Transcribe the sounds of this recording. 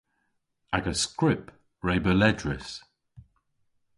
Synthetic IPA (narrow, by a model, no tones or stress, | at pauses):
aɡəskɹɪp | ɹeɪbəlɛdɹɪs